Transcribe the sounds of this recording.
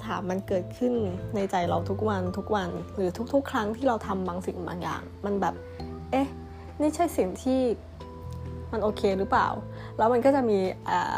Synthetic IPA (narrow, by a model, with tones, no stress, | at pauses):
t̪ʰaː˩˦mːa˧nkɤː˨˩t̪̚kʰɯ˥˩nːa˧jt͡ɕa˧jɾa˧wt̪ʰu˦˥k̚wa˧nt̪ʰu˦˥k̚wa˧nɾɯː˩˦t̪ʰu˦˥k̚t̪ʰu˦˥kʰːɾa˦˥ŋt̪ʰiː˥˩ɾa˧wt̪ʰa˧mbaː˧ŋsi˨˩ŋba̰ː˧ŋja̰ː˨˩ŋma˧nbɛː˨˩p̚ | ʔe˦˥˩ | miː˥˩t͡ɕʰa˥˩jsi˨˩ŋt̪ʰiː˥˩ | ma˧nʔoː˧kʰeː˧ɾɯː˦˥pa̰ː˨˩w | lɛː˦˥wma˧nkɔː˥˩t͡ɕa˨˩miː˧ʔa̰ː˨˩